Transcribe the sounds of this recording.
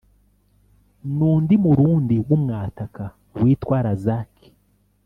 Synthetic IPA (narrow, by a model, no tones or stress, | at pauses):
nuːndimuɾuːndiwumŋaːtaka | wiːtwaːɾazakʰe̥